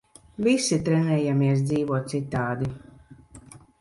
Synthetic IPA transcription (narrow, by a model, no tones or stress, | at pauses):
visit̪ɾɛnɛːjamiɛs̬d̪ziːvuɔt̪̚sit̪ːaːd̪i